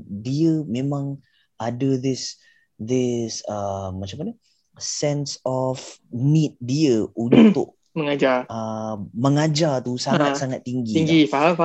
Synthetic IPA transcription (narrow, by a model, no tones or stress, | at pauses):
diəmẽmãŋ | adədɪs | d̪ɪsəmat͡ʃampanə | sɛnsɔfnĩt̪̚diəʔunt̪ʊ̰ʔ̚ | məŋad͡ʒarəməŋad͡ʒart̪usaŋat̪̚saŋat̪ːiŋɡiŋɡifaɦaf